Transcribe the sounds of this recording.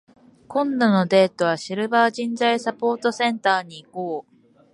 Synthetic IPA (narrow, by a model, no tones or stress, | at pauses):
kõ̞nd̪o̞no̞d̪e̞ːt̪o̞β̞aɕiɾɯ̟baːʑĩnzaisapo̞ːt̪o̞sẽ̞nt̪aːɲ̟iːkoː